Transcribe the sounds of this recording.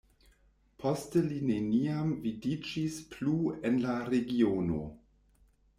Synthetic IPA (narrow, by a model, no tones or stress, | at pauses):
pʰostəline̞niamvidid͡ʒispluenlaɾeɡiono̰